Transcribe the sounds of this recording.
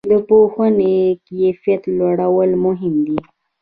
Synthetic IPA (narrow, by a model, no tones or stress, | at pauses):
d̪əpohənekijafijat̪lwaɽawəlmʊɦɪmd̪i